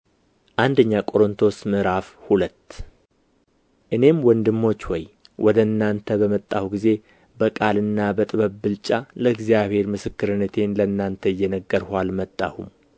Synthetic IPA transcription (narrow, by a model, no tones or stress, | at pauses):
ʔand̪əɲːakʼo̞ɾont̪ʰo̞smɨɾafhulət̪ː | ʔɨne̞mwɔnd̪ɨmːo̞t͡ʃːwɔj | wʔɔd̪əɨnːant̪ʰəβəmət̪ʼːawɡize̞ | bəkʼalɨnːabət̪ʼɨβəβbɨlt͡ʃʼaləɨɡzijaβhe̞ɾmɨsɨkːɨɾɨnːət̪ʰe̞nlənːant̪ʰəɪjːɛnəɡːəɾhʷalmət̪ʼːa̰hum